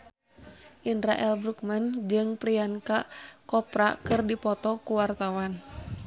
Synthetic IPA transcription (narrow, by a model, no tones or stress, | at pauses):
ʔindɾaʔɛlbɾuk̚mand͡ʒɨŋpɾiankakɔpɾakɨrdipɔt̪ɔkuwart̪awan